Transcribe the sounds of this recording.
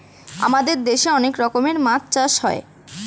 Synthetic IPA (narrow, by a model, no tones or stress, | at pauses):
a̰mad̪eɾd̪eʃeɔnekɾɔkomeɾmãtt͡ɕaʃɦɔe